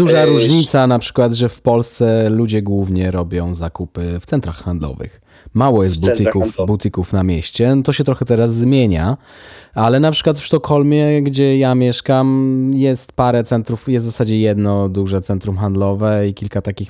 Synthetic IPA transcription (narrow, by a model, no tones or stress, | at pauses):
d̪uʐaɾuʐɲit̪sanapʂɘ̥kwad̪ʐɛfpɔlst̪sɛlud͡ʑɛɡwuvɲɛɾɔbʲjɔ̃w̃zakupɘft̪sɛnt̪ɾaxxand̪lɔ̰vɘ̰x | mawɔjɛst̪̚but̪ɘkufbut̪ɘkufnamʲjɛɕt͡ɕɛt̪ɔɕɛt̪ɾɔxɛt̪ɛɾazːmʲjeɲa | alɛnapʂɘ̥kwat̪fʂt̪ɔkʰɔlmʲjɛɡd͡ʑɛjamʲjɛʂkamjɛst̪paɾɛt̪sɛnt̪ɾufjɛst̪zasad͡ʑɛjɛd̪nɔd̪uʐɛt̪sɛnt̪ɾumxand̪lɔvɛikʲilkat̪akʲix